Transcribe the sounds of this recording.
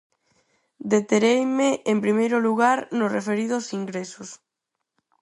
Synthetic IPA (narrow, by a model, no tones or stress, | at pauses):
d̪et̪eɾejmeempɾimejɾʊluɣaɾnʊsrefeɾiðʊsiŋɡɾesʊs